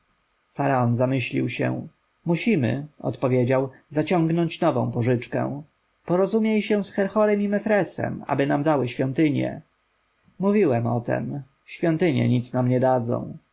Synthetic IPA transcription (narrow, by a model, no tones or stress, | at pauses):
faɾaɔnzamɘɕlʲḭwɕɛ̰ | muɕimɘ̰ɔ̰t̪pɔvʲjed͡ʑawzat͡ɕɔ̃ŋɡnɔɲt͡ɕnɔvɔ̰̃w̃pɔʐɘt͡ʂkɛ̰̃w̃ | pɔɾɔzumʲjejɕɛw̃sxɛɾxɔɾɛmimɛfɾɛsɛ̰ma̰bɘnamd̪awɘɕfʲjɔnt̪ɘɲjɛ̰ | muvʲiwɛmɔ̰t̪ɛ̰m | ɕfʲjɔnt̪ɘɲɛ̰ɲit̪snamɲɛd̪ad̪zɔ̰̃w̃